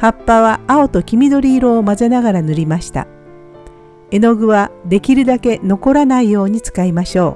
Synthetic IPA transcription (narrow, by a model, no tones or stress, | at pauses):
hapːaβaːo̞t̪o̞kʲimʲid̪o̞ɾʲiːɾo̞ːmazenaɡaɾanɯɾʲimaɕi̥t̪a̰ | e̞no̞ɡɯ̟βad̪e̞kʲiɾɯ̟d̪ake̞no̞ko̞ɾanaijo̞ːɲ̟it͡sɨ̥kaimaɕo̞ː